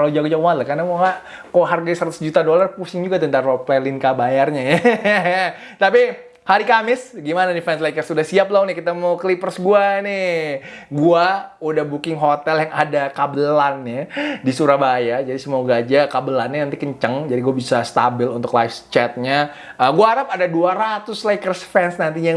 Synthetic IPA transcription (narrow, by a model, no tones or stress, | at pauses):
kalad͡ʒaɡad͡ʒaɡmat̪lakarnamoŋa | koɦarɡasəɾat̪ʊ̥sd͡ʒut̪adolarpusɪŋd͡ʒuɡat̪ənt̪aŋopɛlɪnkabajarɲaja | t̪api | haɾikamɪsɡimanadifɛnslaikəsudahsiap̚launɪhkit̪amawklipərsɡuanɪ | ɡuaudahbukɪŋɦot̪ɛljaŋadakabəlanadisuɾabajad͡ʒadisəmoɡaːd͡ʒakabəlanːanənt̪ikəɲt͡ʃəŋd͡ʒadiɡuabisast̪a̰bɪlunt̪ʊklajft͡ʃɛt̪̚ɲa | əɡuaɦaɾap̚adaduaɾat̪ʊslajkərsfɛnsnant̪̬iɲa